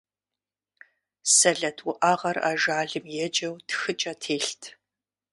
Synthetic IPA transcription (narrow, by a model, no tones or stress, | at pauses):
sɐɮɐtʰwʊʔaːʁɐra̰ːʒaːɮɨmjɛd͡ʒʼɐwtʰxɨt͡ʃʼɐtʰeːɬtʰ